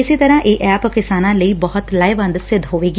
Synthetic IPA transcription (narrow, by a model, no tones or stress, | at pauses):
ɪseːt̪əɾãːʔeːʔɛːpkɪsaːnãːləiːbɔɦʊt̪laːɪʋə̃nd̪sɪd̪ɦoːʋeːɡiː